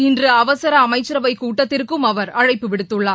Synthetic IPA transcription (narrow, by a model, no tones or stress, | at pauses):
ɪndrɯɐʋɐsɐɾɐːmɐɪt͡ʃːɐɾɐʋɐɪkuːʈːɐt̪ːɪɾkɯmɐʋɐɾɐɻɐɪpːɯʋɪɽɯt̪ːɯɭːaː